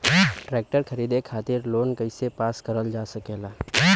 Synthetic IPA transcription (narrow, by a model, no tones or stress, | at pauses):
ʈɾeːk̚ʈəɾkʰəɾiːd̪ekʰaːt̪ɪɾloːnkəɪsepaːskəɾəld͡ʒaːsəkeːlaː